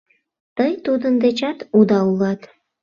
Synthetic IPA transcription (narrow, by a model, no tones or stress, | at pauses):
t̪əjt̪ud̪ənd̪et͡ɕɑt̪ud̪ɑulɑt̪